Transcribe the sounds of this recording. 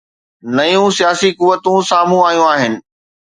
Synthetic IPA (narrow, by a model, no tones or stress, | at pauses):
nɐjũsijaːsikʊʋːət̪ũsaːm̤ũaːjũaːɦɪnɪ̆